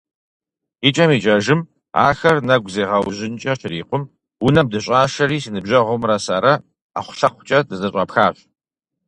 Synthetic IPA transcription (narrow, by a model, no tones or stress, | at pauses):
it͡ʃʼɐmiːt͡ʃʼɐʒɨm | a̰ːxɐrnɐɡʷzeːʁɐwʑɪnt͡ʃʼɐʃɪɾiːqʷʼʊm | wʊnɐmdɨɕʼaːʃɐɾiːsinɨbʑɐʁʷʊmrɐsaːɾɐ | a̰χʷʊ̥ɬɐχʷʊt͡ʃʼɐdɨzɐɕʷʼɐpxaːɕʷ